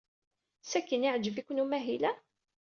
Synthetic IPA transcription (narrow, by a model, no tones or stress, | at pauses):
sækːəniʕd͡ʒəvikʷːnumæɦilæ